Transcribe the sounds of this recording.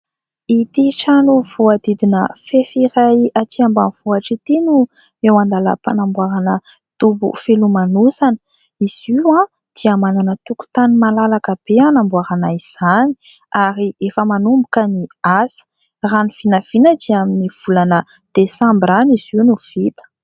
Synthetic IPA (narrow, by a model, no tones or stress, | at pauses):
it̪iʈ͡ʂanuvuad̪id̪inəfefiɾajat̪iambanv̥uaʈ͡ʂit̪inu | ewand̪alə̰panambuaɾanə | t̪ubṵfelumanusanə̥ | iz̥iwã | d̪̥iamananət̪uku̥t̪animalalakəb̥eanambuaɾanaiz̥ani̥ | aɾiefəmanumbukəniasi̥ | raniv̥inav̥inəd͡ʒiaminiv̥ulanə | d̪̥esambraniz̥iwnuv̥it̪ə̥